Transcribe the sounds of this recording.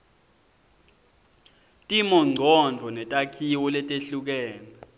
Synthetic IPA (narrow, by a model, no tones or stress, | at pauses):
tʼimɔŋ͡ǀʱɔnd͡vʱɔnɛtʼakʰiwɔlɛtʼeɬuk̬ɛːna